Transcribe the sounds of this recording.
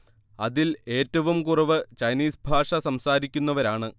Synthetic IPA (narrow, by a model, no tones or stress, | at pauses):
ɐðile̞ːtːɐʋumkurɐʋɨt͡ɕɐjniːsbʱaːʂɐsɐmsaːɾikʲːunːɐʋɐɾaːɳɨ